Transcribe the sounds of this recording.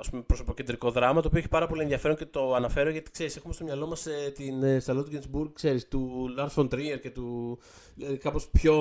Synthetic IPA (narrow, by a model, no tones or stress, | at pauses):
ɐspumepɾoso̞poce̞nd̪ɾiko̞ðɾɐmɐt̪oːpioeçi̥pɐɾɐpo̞lienðiɐfe̞ɾocet̪o̞ɐnɐfe̞ɾoʝɐt̪i̥kse̞ɾise̞xumest̪o̞mɲɐlo̞mɐset̪inst̪ɐlot̪uɟenzbuɾɡkse̞ɾist̪ulɐɾt̪font̪ɾieɾce̞t̪u | lkɐpospço̞